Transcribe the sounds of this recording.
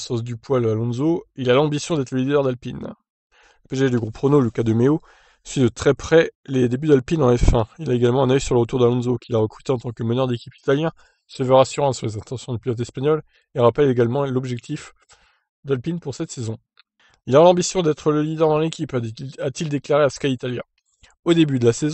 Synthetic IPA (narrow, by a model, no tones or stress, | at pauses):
sɑ̃s̬d̪ypwalalɔ̃zoilalɑ̃bisjɔ̃d̪ɛt̪χləlid̪œʁd̪alpin | ləpeʒaʒd̪yɡʁupχonolykad̪əmeo | sɥid̪ət̪χɛpχɛled̪ebyd̪alpinɑ̃ɛfɛ̃ilaeɡalmɑ̃ɛ̃nœjsyʁləʁət̪uʁd̪alɔ̃zokʰʲilaʁəkχy̥t̪eɑ̃t̪ɑ̃kəmanœʁd̪ekʲipi̥t̪aljɛ̃ | səvøʁasyʁɑ̃slezɛ̃t̪ɑ̃sjɔ̃d̪ypilɔt̪̬ɛspaɲɔl | eʁapɛleɡalmɑ̃lɔbʒɛk̚t̪ʰif | d̪alpinpuʁsɛt̪sezɔ̃ | ilɔʁalɑ̃bisjɔ̃d̪ɛt̪χələlid̪ɛʁd̪ɑ̃lekʲipat̪ild̪eklaʁeasə̥kait̪aljɛ̰̃ | od̪ebyd̪əlasez̃